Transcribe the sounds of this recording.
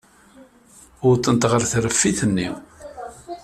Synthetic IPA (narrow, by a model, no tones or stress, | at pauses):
ʊɾt̪ːənt̪ʁəɾθɾəfːiθənːḭw